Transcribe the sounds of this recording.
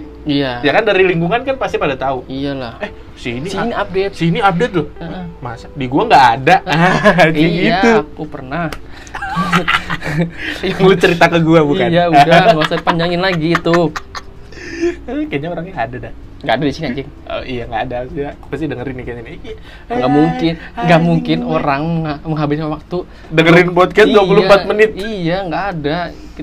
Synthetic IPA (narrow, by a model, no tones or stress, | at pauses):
ijajakandaɾiliŋɡuŋankanpast̪ipadat̪auijalahɛh | sinisiniap̚det̪siniap̚det̪̚dʊəʔmasadiɡuaŋɡaʔːda | d͡ʒiiat̪ukupərnah | ulut͡ʃəɾit̪akəɡuabukanjaudaasapaɲd͡ʒaŋɪnlaɡit̪ʊ | kaɲaoɾaŋɲaadada | ŋɡaːdadisiniad͡ʒɛŋ | o̰ijaŋɡaːdasijapasidəŋəɾɪnikaɲanki | ŋɡaʔmuŋkɪnŋɡaʔmuŋkɪnoɾaŋməŋaməŋɦabɪskawak̚t̪u | dəŋəɾɪnpod̪̚kasduapulupat̪̚mənɪt̪̚ijaŋɡaʔːda